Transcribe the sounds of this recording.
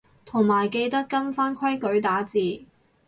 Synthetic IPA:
t̪ʰo˨˩ŋmaː˨˩jke˧jt̪ɐ˥kːɐ˥nfaː˥nkʰwɐ˥jkɵ˨˥ɥt̪aː˨˥t͡siː˨˩

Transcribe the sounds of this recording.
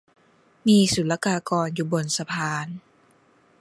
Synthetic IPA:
miː˧su˨˦la˧kaː˧˩kɔː˨˩njuː˨˩bo˨˩nsa˧pʰaː˧˩n

